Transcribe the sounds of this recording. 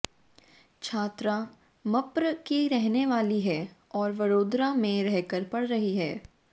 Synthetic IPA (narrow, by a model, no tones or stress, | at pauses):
t͡ʃʰaːt̪ɾa | mɐpɾkiɾɛɦneʋaːliɦɛːɔːɾʋɐɾoːd̪ɾamẽɾɛɦkəɾpɐɽɾɐɦiɦɛː